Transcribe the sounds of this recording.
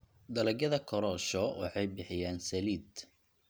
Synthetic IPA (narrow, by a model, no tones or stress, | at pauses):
d̪ɐlɐɡjɐðɐkʰɔɾɔːʃɔwɑ̰ħɑjbɪħɪjaːnsɐliːd̪